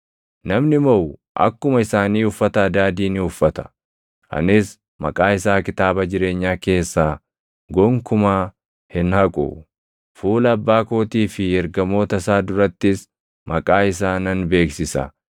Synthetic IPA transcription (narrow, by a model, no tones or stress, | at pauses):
nɐmnɪmɔwʔɐ̰kːʊmɐɪsaːniːʊfːɐt̪ɐɐd̪aːd̪iːnɪʊfːɐt̪ɐ̥ | ʔɐ̰nɪs | mɐ̰kʼaːɪsaːkɪt̪aːbɐd͡ʒɪɾe̞ːɲːaːke̞ːsːaː | ɡɔŋkʊmaː | hɪnhɐkʼʊ̰ | fuːlɐɐbːaːkoːt̪iːfɪɛɾɡɐmo̞ːt̪ɐsaːd̪ʊɾɐt̪ːɪs | mɐkʼaːɪs̬aːnɐnbe̞ːksɪsɐ̰